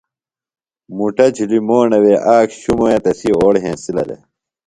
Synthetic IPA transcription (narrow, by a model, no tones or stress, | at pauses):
muʈɐd͡ʑʱilimoːɳɐweʔaːkɕumoet̪ɐsioːɽɦḛ̃ːsilɐ̰ɾḛ